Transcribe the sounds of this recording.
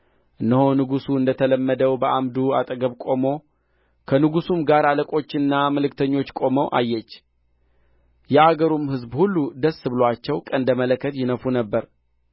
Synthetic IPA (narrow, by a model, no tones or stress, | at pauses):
ʔɨnːəho̞nɨɡusuɨnd̪ət̪ʰələmːəd̪əwbəʔamd̪uat̪ʼəɡəβkʼo̞mo̞ | kʰənɨɡusumɡaɾaləkʼo̞t͡ʃːɨnːaməlɨkt̪ʰəɲːo̞t͡ʃːkʼo̞məwʔa̰jːɛt͡ʃː | jɛaɡəɾumhɨzbhulːud̪əsːɨbɨlwat͡ʃːɛwkʼənd̪əmələkːət̪jɪnəfunəbːəɾ